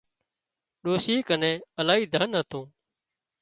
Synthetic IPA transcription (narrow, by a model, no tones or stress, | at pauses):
ɗoːsiːkənẽːəlaːɦiːd̪ʱənɦət̪ʰõː